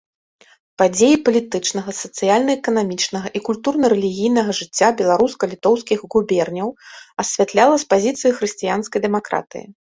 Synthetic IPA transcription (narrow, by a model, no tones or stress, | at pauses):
pad͡zʲejipɐlʲit̪ɨt͡ʂn̪ɐɣɐsɐt̪sɨjalʲnɐɛkɐnamʲit͡ʂnɐɣɐʔikulʲt̪urnɐɾɛlʲiɣʲijn̪ɐɣɐʐɨt͡sʲːabʲɛlˠaɾuskɐlʲit̪ɔwskʲiɣɣubʲɛrnʲɐwɐsʲvʲat̪lʲalˠɐspazʲit̪sɨjixɾɨsʲt͡sʲijanskɐjd̪ɛmakɾa̰t̪ɨ̰jḭ